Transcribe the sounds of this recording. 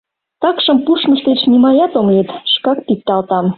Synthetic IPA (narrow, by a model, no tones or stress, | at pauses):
t̪ɑkʃə̆mpuʃməʃt̪et͡ɕnimɑjɑt̪omlet̪ʃkɑk̚pit̪̚ːɑlt̪ɑm